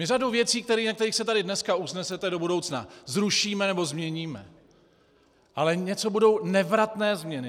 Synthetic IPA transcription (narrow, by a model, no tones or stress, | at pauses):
mɪr̝adowvjɛt͡siːkt̪ɛɾiːnakt̪ɛɾiːxsɛt̪adɪdnɛskausnɛsɛt̪ɛdo̞budo̞wt͡sna̰zɾuʃiːmɛnɛbo̞zmɲɛɲiːmɛ̰ | ʔalɛɲɛt͡so̞budo̞wnɛvɾat̪nɛːzmɲɛnɪ